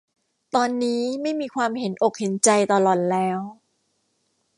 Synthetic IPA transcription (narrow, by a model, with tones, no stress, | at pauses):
t̪ɔː˧nːiː˦˥ma˥˩jmiː˧kʰwaː˧mhe˩˦nʔo˨˩k̚he˩˦nt͡ɕa˧jt̪ɔː˨˧lɔ˨˩t̪̚lɛː˦˥w